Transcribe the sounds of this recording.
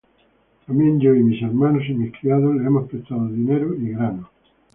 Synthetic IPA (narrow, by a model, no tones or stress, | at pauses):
t̪amjɛ̃nd͡ʒoimiseɾmanosimiskɾiaðosleemospet̪aðoðineɾʊiɣɾano